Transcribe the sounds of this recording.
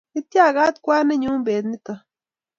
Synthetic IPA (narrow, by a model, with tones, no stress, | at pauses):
i˦t̪ja˦˨ɣa˦t̪kʷa˦ne˦ɲũ˦mbeː˨t̪ni˦t̪a˨